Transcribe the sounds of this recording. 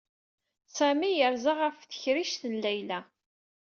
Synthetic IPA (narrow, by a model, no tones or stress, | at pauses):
sæmijəɾzaʁafθə̥çɾiʃθənlæjlæ